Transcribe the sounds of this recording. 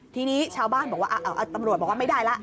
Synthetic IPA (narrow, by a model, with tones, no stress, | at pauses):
t̪ʰiː˧niː˦˥t͡ɕʰaː˧wbaː˥˩nbɔː˨˩kwaː˥˩ʔa˧˩ʔa˧˩ʔa˧˩t̪a˧mɾu˨˩t̪̚ɔ˨˩kwaː˥˩m˥˩daː˥˩jla˦˥ʔ